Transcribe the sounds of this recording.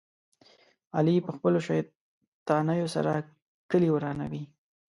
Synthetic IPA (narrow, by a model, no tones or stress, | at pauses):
alipəxpəloʃaj | t̪ɑnəjosa̰ɾa | kəliwɾɑna̰wi